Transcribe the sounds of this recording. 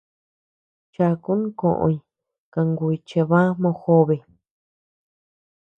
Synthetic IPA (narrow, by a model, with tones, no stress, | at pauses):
t͡ʃa˧ku˦nũ˦kõ̰˧˨ʔõ̰˧i˧ | ka˧ŋɡu˧i˧t͡ʃe˧βã˦mõ˧xo˦βe˧˨